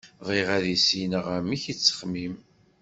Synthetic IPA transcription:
ðˤiʁæðisinəʁæmiçit͡sːə̥χmim

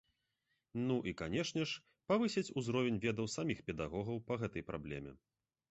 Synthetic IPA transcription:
nuʔikanʲɛʂnʲɛʂ | pavɨsʲɛt͡sʲuzɾɔvʲɛnʲvʲɛd̪ɐwsamʲixpʲɛd̪aɣɔɣɐwpɐɣɛt̪ɐjpɾʔablʲɛmʲɛ̰

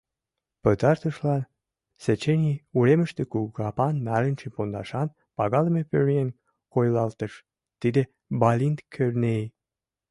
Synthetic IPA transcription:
pət̪ɑrt̪əʃlɑn | set͡ɕenʲiuɾemə̆ʃt̪ekuɣɑpɑnːɑɾənʲt͡ʃepond̪ɑ̰ʃɑn | pɑɣɑləmepøɾiən | kojlɑlt̪əʃ | t̪id̪e | bɑlʲint̪kʰørnej

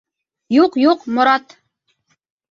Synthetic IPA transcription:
juqjuqmŏɾɑt̪

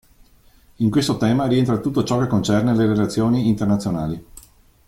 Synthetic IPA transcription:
iŋkwest̪ot̪ɛːmaɾient̪ɾat̪ut̪ːot͡ʃɔkekːont͡ʃɛrneleɾelat̪sːjoːniːnt̪ernat̪sjonaːli

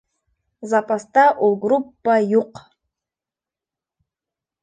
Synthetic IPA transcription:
zapʼast̪aʔulɡrupːajuq

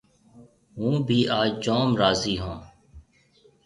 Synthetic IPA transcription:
ɦũːbʱiːʔaːd͡ʒd͡ʒoːmɾaːziːɦõː

